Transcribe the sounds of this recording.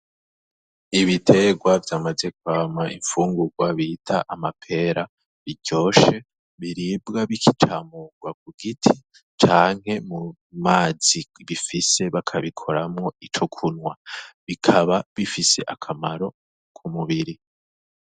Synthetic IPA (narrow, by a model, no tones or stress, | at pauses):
iβitʰe̞ɡwavjaːmaze̞kwaːmaʔiɱfuːŋɡuɡwaβiːtʰaʔamapʰe̞ɾa | βiɟo̞ːʃe̞ | βiɾibɡaβikʰit͡ʃʰaːmuɡwak̚uɡitʰi | t͡ʃaːŋ̥ɦe̞mu | maːz̥iβifise̞βakʰaβikʰo̞ɾamŋo̞it͡ʃukʰunŋwaβikʰaβaβifise̞̰ʔakʰamaɾo̞ | kʰumuβiɾi